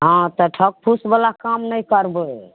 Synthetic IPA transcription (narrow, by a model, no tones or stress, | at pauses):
ɦãt̪ɔʈʰək̚pʰusbəlakamnəjkəɾbə